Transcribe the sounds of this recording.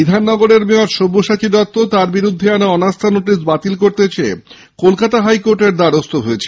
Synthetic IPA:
id̪ʱanːɔɡoɾeɾmeɔɾʃobːoʃat͡ɕiɾɔt̪ːot̪aɾbiɾud̪ʱːeanaɔnast̪ʰanoʈis̬bat̪ilkoɾt̪et͡ɕʰee | kolkat̪aɦajkoɾʈeɾd̪aɾost̪ʰoɦoet͡ɕʰe

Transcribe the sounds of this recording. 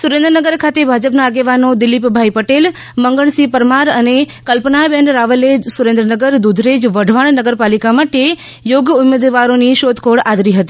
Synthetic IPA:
suɾẽnd̪ɾənəɡəɾkʰat̪ebʱad͡ʒəpnaːɡeʋanod̪ɪlipbʱaipəʈel | məŋɡəɳsipəɾmaɾənekəlpnabɛɳɖɾaʋəlesuɾẽnd̪ɾənəɡəɾd̪ud̪ʱɾed͡ʒʋəɖʱʋaɳnəɡəɾpalikamaʈe | joɡumed̪ʋaɾoniʃod̪kʰoɽad̪ɾiɦət̪i

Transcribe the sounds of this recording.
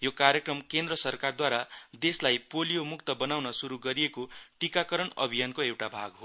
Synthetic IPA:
jokaɾjekrʌmkend̪rʌsʌrkard̪waɾad̪eslajpolijomukt̪ʌbʌnawnʌsuɾuɡʌɾijekoʈikakʌɾʌɳʌ̰bʱijankoewʈabʱa̰ɡɦo

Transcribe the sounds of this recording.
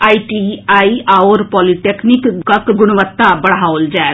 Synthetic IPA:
aːiʈiːaːiaːoːɾpɔːliʈeːkʰnɪkkəkɡʊɽ̃ʋət̪ːaːbəɽɦaːold͡ʒɛː

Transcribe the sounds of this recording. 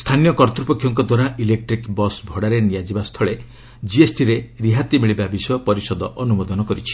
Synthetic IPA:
st̪ʰanijɔkɔɾt̪ɾupɔkʰːjɔŋkɔd̪waɾailek̚ʈɾikbɔsbʱɔɽaɾenijad͡ʒibast̪ʰɔɭe | d͡ʒiesʈiɾeɾiɦat̪imiɭibabisjɔpɔɾisɔd̪ɔʔɔnumɔd̪ɔnɔkɔɾit͡ʃʰi̥

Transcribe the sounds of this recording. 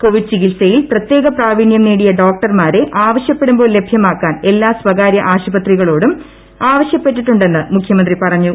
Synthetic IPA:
ko̞ʋiɖ̚t͡ɕiɣilsɐjilprɐt̪je̞ːɣɐpraːʋiɳjɐmniːɽijɐɖo̞ːk̚ʈɐrmaːɾe̞ʔaːʋɐɕjɐpːe̞ɽumboːlebʱjɐmaːkːaːne̞lːaːsʋɐɣaːɾjɐʔaːɕubɐt̪riɣɐɭoːɽum | aːʋɐɕjɐpːeʈ̬ːiʈːuɳɖe̞nːɨmukʰjɐmɐnd̪ripɐrɐɲːu

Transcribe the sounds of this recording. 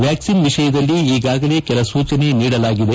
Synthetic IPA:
ʋjaːksinʋiʂɐjɐd̪ɐlːiiːɡaːɡɐle̞ːkɛlɐsuːt͡ʃɐne̞niːɽɐlaːɡid̪e̞

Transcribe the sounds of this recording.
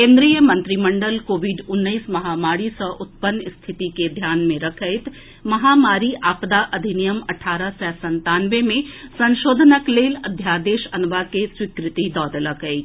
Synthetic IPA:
kẽːnd̪ɾijəmɐ̃nt̪ɾimɐ̃ɳɖəlkoːʋɪɖʊnːəismɐɦaːmaːɽisəʔʊt̪̚pənːɪst̪ʰɪt̪iked̪ʱjaːnmẽɾɐkʰəɪt̪ | mɐɦamaːɾiʔaːpd̪aʔɐd̪ʱinijəmɐʈʰaːɾəsɛːsɐ̃nt̪aːnʋemẽsɐ̃nʃoːd̪ʱənəkleːlɐd̪ʱjaːd̪eːʃɐnʋakeswɪkɾɪt̪id̪ɔːd̪ələkəɪt̪

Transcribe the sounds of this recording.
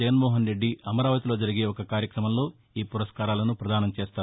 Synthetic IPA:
ɐɡɐnmoːɦɐnɾe̞ɖːiɐmɐɾaːʋɐt̪ilo̞ːd͡ʒɐɾiɡe̞ːɔkɐkaːɾjɐkɾɐmɐmlo̞ː | iːpuɾɐʂkaːɾaːlɐnupɾɐd̪aːnɐmt͡ʃeːst̪aː

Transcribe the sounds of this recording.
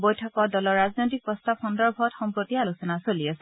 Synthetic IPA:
bojtʰɔkɔdɔlɔɹːaznojtik̚pɹɔstabxɔndɔɹbʱɔtxɔmpɹotːialusɔnasoliasɛ

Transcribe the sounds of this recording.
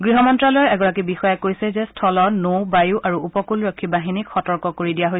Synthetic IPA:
ɡɹiɦɔmɔntɹalɔɔɹɛɡɔɹak̬ibixɔjɛkojsɛzɛstʰɔlɔnowbajuʔaɹuupɔkulɹɔkʰːibaɦinikxɔtɔɹkɔkoɹidijaɦoj

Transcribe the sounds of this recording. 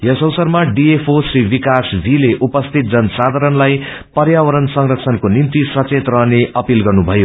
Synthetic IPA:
jʌsʌwsʌrmaɖiepʰosribikasbʱileʔupʌst̪ʰit̪̚d͡zʌnsad̪ʱaɾʌnlaj | pʌrjawʌɾʌnsʌŋrʌkt͡sʰʌnkonint̪isʌt͡set̪rʌɦneʔʌpilɡʌrnubʱʌjo

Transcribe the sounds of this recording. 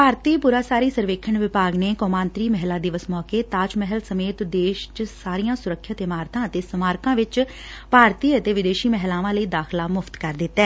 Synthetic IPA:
paːɾt̪iːpuːɾaːsaːɾiːsəɾʋeːkʰəɳʋɪpaːɡneːkɔːmãːnt̪ɾiːmɛɦlaːd̪ɪʋəsmɔːkeːt̪aːt͡ʃmɛɦəlsəmeːt̪d̪eːʃt͡ʃsaːɾijãːsʊɾəkʰːjat̪eːmaːɾt̪ʰãːət̪eːsəmaːɾkãːʋɪt͡ʃ | paːɾt̪iːət̪eːʋɪd̪eːʃiːmɛɦlaːʋãːləiːd̪aːxʰlaːmʊft̪kəɾd̪ɪt̪ːɛː

